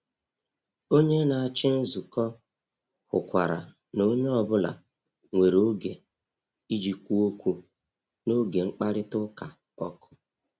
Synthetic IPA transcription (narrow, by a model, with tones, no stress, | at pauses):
o˦ɲe˦na˨a˨t͡ʃɪ˦n̩˦zu˨kɔ˦ | hʊ̰˨kʷa˨ɾa̰˨ | no˦ɲe˦ɔ˨bʊ˦la̰˨ | ŋʷe˨ɾo˦ɡe˨ | i˦d͡ʒi˨kʷu˦o˦kʷu˦ | no˦ɡe˨ŋ͡m̩˦k͡pa˦ɾɪ˦tʊ˦ka˨ | ɔ̰˦kʊ̥˦